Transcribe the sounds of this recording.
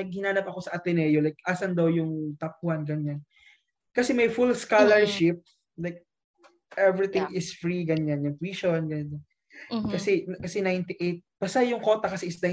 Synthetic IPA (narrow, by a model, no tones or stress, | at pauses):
nɐɡ̚hɪnaːnɐpɐko̞sɐʔɐt̪ɛnɛjolajk̚ʔaːsɐnd̪ɐwjʊŋt̪ɐk̚ʊhɐnɡɐɲan | kɐsɛmɐjfulskalɛɹʃɪp̚ | lajk̚ | ʔɛvɹɪt̪ɪ̃ŋɪsfɹiɡɐɲanjʊŋt̪wiʃonɡɐɲan | kɐsɛkɐsɛnajnt̪ɪʔejt̪̚b̥ɐsajʊŋkot̪ɐkɐsɛʔɪsna